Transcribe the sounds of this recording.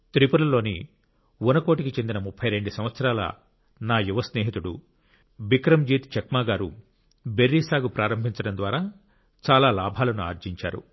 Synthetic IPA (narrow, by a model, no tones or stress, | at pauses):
t̪ɾipuɾɐlo̞ːni | unɐko̞ːʈikit͡ʃe̞nd̪inɐmupʰːɐjɾe̞ɳɖusɐ̃mʋɐt̪sɐɾaːlɐ̰ | naːjuʋɐsneːɦit̪uɽu | bikɾɐmd͡ʒiːt̪t͡ʃɐkmaːɡaːɾu | beɾːiːsaːɡupɾaːɾɐmbʱiɲt͡ʃɐɽɐnd̪ʋaːɾaː | t͡ʃaːlaːlaːbʱaːlɐnua̰ːɾd͡ʒiɲt͡ʃa̰ːɾṵ